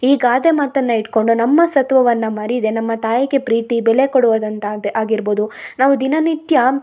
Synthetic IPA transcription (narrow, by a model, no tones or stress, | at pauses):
iːɡaːd̪emaːt̪ɐnːɐiʈko̞ɳɖunɐmːɐsɐt̪ʋɐʋɐnːɐmɐɾid̪e̞nɐmːɐt̪aːjɐɡe̞pɾiːt̪ibɛlekoɽuʋod̪ɐnt̪ɐd̪ʔaːɡiɾboːd̪unaːʋud̪inɐnit̪jɐ